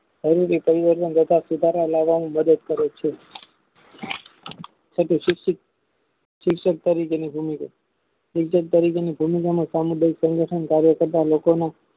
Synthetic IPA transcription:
ʃəɾuɾipəɾiʋəɾt̪ənd̪ət̪asud̪ʱaɾalaʋanũməd̪əd̪kəɾet͡ʃʰe | sʰəʈʰuʃkk̚ | ʃɪkʃək̚t̪əɾikenibʱumika̰ | ʃɪkʃək̚t̪əɾikenibʱumikamãsamud̪ʱajksə̃ŋɡəʈʰənkaɾjəkəɾt̪alokona

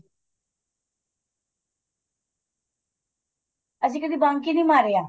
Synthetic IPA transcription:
əs̬ĩːkəd̪iːbãːŋkiːnĩːmaːɾeːaː

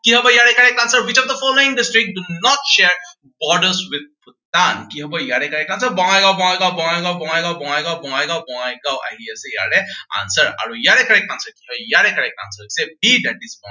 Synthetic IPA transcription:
kiɦɔbɔjaɹɛkaɹɛkansəɹwit͡ʃɔfd̪əfɔloĩnɖistɹik̚dunɔtʃɛɹ | bɔɖəswid̪̚put̪̚ankiɦɔbɔjaɹɛkaɹɛkansəɹbɔŋajɡawbɔ̃ŋajɡawbɔ̃ŋajɡawbɔŋajɡawbɔŋajɡawbɔŋajɡawbɔŋajɡawʔa̰ɦiasɛja̰ɹɛa̰nsəɹa̰ɹujaɹɛkaɹɛkansəɹkiɦɔbɔjaɹɛkaɹɛk̚a̰nsəɹsɛbidaʈisbɔŋ

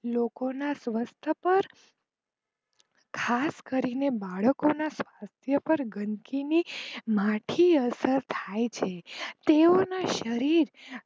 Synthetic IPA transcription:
lokonasʋəst̪ʰəpəɾ | kʰaskəɾinebaɭəkonasʋast̪ʰjəpəɾɡənkinimãʈʰiəsəɾt̪ʰajt͡ʃʰet̪eonaʃəɾiɾ

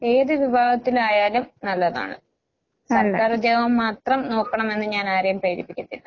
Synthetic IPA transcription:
e̞ːðɨʋibʱaːɡɐt̪ːilaːjaːlumnɐlːɐða̰ːɳɨ̰ | sɐraːrd͡ʑeːʋɐmːaːt̪rɐmno̞ːkːɐɳɐme̞nːɨɲaːnaːɾɐjɐmprɐjɾipːikʲːɐt̪ːilːɐ

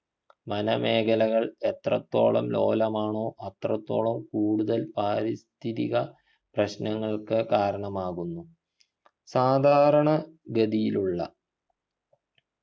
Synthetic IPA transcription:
mɐnɐme̞ːkʰɐlɐɣɐɭe̞t̪rɐt̪ːo̞̰ːɭɐ̰mlo̞̰ːlɐmaːɳo̞ːʔɐt̪rɐt̪ːo̞ːɭɐmkuːɽuðɐlpaːɾist̪ʰiðiɣɐ | prɐɕnɐŋːɐɭkɨkaːɾɐɳɐmaːɣunːu | saːd̪ʱaːɾɐɳɐɡɐd̪ijiluɭːɐ̰

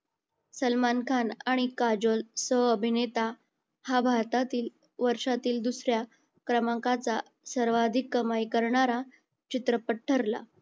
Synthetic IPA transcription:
səlmankʰanaɽ̃ikad͡ʑolsəəbʱinet̪a | habʱaɾt̪at̪iːl | ʋəɾʂat̪iːld̪usɾja | kɾəmãŋkat͡sa | səɾʋad̪ʱikːəmajkəɾɳaɾa | t͡ɕit̪ɾəpəʈʰːəɾla̰

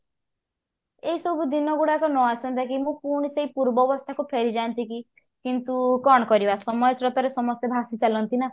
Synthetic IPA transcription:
eɦisɔbʱud̪inɔɡuɽakɔnɔasɔnt̪akimũkuɽ̃iseipuɾbɔːbɔst̪ʰakupʰeɾid͡ʒant̪iki | kint̪ukɔɽ̃ɔkɔɾibasɔmɔjɔsɾɔt̪ɔɾesɔmɔst̪ebʱasit͡ʃalɔnt̪ina

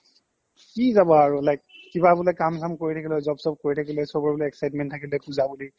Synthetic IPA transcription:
kizabɔaɹʊlajkːibabulɔkamsamkoɹitʰakilɛzɔbsɔb̚koɹitʰakilɛsɔbɔɹbuliɛksajtmɛntʰːakilɛpuzabuli

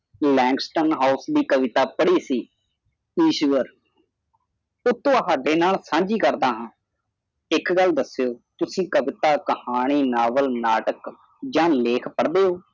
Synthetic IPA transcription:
lɛ̃ːŋksʈənɦaːʊsd̪iːkəʋɪt̪aːpəɽiːsiː | iːʃʋəɾ | ʊt̪ːõːɦaːɖeːnaːlsãːɲd͡ʒiːkəɾd̪ãːɦãː | ɪkɡəld̪əsːejoːt̪ʊsĩːkəʋɪt̪aːkəhaːɽ̃iːnaːʋəlnaːʈək | d͡ʒãːleːkʰpəɽd̪eːoː

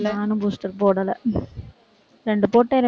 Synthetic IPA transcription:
naːnumbust̪ɐrpoːɽɐlɐ | ɾeɳɖɨpoːʈːeɾe

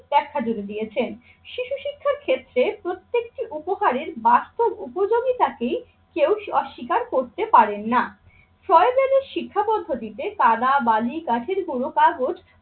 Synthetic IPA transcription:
d̪ɛkʰːad͡ʑuɾed̪ijet͡ɕʰen | ʃiʃuʃikʰːaɾkʰet̪ːɾepɾot̪ːekʈiʔupoɦaɾeɾbast̪obupod͡ʑoɡit̪akej | kewɔʃːikaɾkoɾt̪epaɾenːa | fɾɔebeleɾʃikʰːapɔd̪ʱːot̪it̪ekad̪abalikaʈʰeɾɡuɽokaɡod͡ʑ

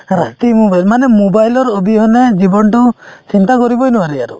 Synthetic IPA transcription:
ɾat̪imobajlmanemubajlɔɾobiɦɔned͡ʒibɔnʈɔt͡ʃint̪akɔɾibɔjnɔaɾɛaɾṵ

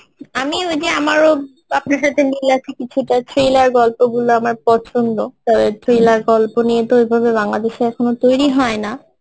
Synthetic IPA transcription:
amiojd͡ʑeamaɾo | apnaɾʃat̪ʰenilat͡ɕʰikit͡ɕʰuʈatɾelaɾɡɔlpoɡuloamaɾpɔt͡ɕʰont̪ot̪ɔbet̪ɾelaɾɡɔlponijet̪oejbʱabebaŋlad̪eʃeɛkʰonot̪ojɾiɦɔena

